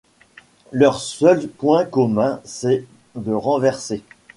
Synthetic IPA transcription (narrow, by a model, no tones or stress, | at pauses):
lœʁsœlpwɛ̃kɔmɛ̃sɛ | d̪əʁɑ̃vɛʁse